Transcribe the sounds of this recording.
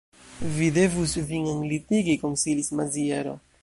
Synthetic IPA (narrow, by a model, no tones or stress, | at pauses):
vide̞vusvinenlitiɡikonsilismazie̞ɾo̞̰